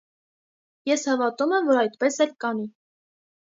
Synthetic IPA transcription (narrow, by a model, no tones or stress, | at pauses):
jɛshɑvɑt̪umɛmvɔɾɑjt̪pɛsɛlkɑni